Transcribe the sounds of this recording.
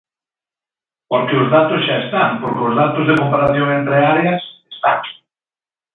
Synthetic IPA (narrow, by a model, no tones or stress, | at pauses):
poɾkeʊzðat̪ʊsʃaest̪aŋpoɾkeʊzðat̪ʊzðekompaɾaθjoŋent̪ɾeaɾeɐsest̪a̰ŋ